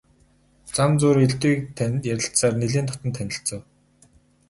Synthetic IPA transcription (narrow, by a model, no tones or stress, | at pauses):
t͡samt͡sʊːɾeɮt̪iːk̚t̪ʰjæɾʲɪ̆ɬtsaːrneɮiːnt̪ʰɔt̪ə̆nt̪ʰːænʲɪ̆ɬt͡sə̆w